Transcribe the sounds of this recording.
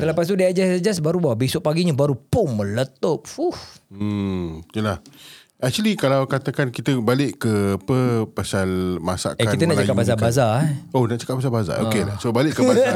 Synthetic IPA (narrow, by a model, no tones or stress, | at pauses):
səlapas̬t̪udaad͡ʒasad͡ʒas̬baɾubawabisʊʔpaɡiɲabaɾupʊŋmə̃lət̪ɔp̚fuf̩ | jəlah | ʔɛk̚t͡ʃuəlikalawkat̪akankit̪əbalɪʔkəapəpasalma̰sa̰ʔkaakinənaʔt͡ʃakapbas̬abazaonaʔt͡ʃḁkap̚ːas̬abaza̰okelasobalɪʔkːəbaa